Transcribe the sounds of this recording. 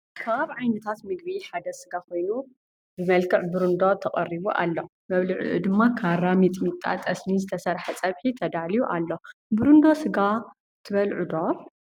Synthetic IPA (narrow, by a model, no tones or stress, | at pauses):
kʰaβʕajnɐt̪ʰat̪mɨɡ̚biħad̪ɐsɨɡakʰo̞jnu | bɨmɐlkʰɨʕbɨɾund̪ot̪ʰɐχʼɐriβuʔa̰lːo | mɐβlɨʕṵʔṵd̪ɨmːakʰaɾamit̪ʼmit̪ʼa̰t̪ʼɐsnizɨt̪ʰɐsɐɾħɐt͡sʼɐβħit̪ʰɐd̪alijuʔalːo̞bɨɾund̪o̞sɨɡa | t̪ʰɨβɐlʕud̪o̞